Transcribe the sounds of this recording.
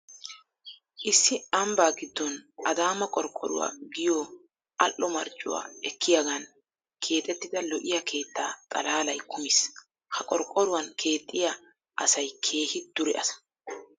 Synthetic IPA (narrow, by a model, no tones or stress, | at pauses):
ʔɪsːɪɐmbaːɡɪd̪ːɔnʔɐd̪aːmɐkʼɔɾkʼːɔ̰ɾʊ̰wa̰ːɡɪjoː | ɐlːɔmɐɾt͡ʃʼːʊ̰wa̰ːɛkːɪjaɡɐn | kʰe̞ːt̪ʼɛt̪ːɪd̪ɐlɔʔɪjɐkʰe̞ːt̪ːaːt̪ʼɐlaːlɐjkʰʊmɪs | hɐkʼɔɾkʼɔɾʊwɐnkʰe̞ːt̪ʼːɪja | ʔɐsɐjkʰe̞ːhɪd̪̥ʊɾɛʔɐsɐ̥